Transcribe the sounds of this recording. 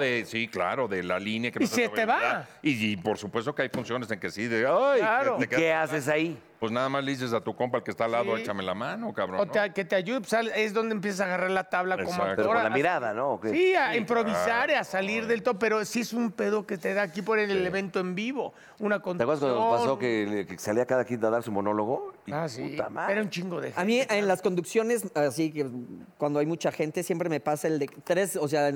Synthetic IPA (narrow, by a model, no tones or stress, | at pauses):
ðesikla̰ɾo̞ðela̰linjakemisiet̪eβaipo̞ɾsupwe̞s̬t̪o̞keajfunsjo̞ne̞se̞ŋke̞siðeajlaɾoekeeases̬ai | pweznaðamazleðis̬es̬at̪ukompaelkest̪alaðoet͡ʃamelamanokaβɾoont̪eake̞t̪eaʝuðepsale̞zðo̞nd̪emp̬je̞s̬asaɣaraɾlat̪aβlako̞mmoaak̪oɾalamiɾaðanokesiaimpɾo̞βisaɾasaliɾðe̞lt̪oðope̞ɾo̞siesumpe̞ðo̞ket̪eðakiponeneleβe̞nt̪oembiβo̞ | unakonakweɾðaskwand̪pasokekesaliakaðakit̪aðaɾsumo̞no̞lo̞ɣo̞iasa̰maeɾaunt͡ʃiŋɡoðḛxamĩʔenlasko̞nd̪uksjo̞ne̞sasikekwand̪oajmut͡ʃaxe̞nt̪e̞sjempɾe̞me̞pasaeld̪et̪ɾe̞sos̬ea